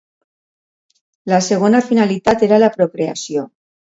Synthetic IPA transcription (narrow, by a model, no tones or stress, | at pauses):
laseɣ̞onafinalit̪at̪eɾalapɾokɾea̰sjo